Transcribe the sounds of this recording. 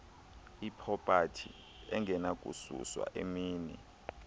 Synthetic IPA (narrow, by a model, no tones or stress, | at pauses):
ipʰɔpʼatʰḭ | ɛŋʱɛnakʼusṵswa̰ʔemiːni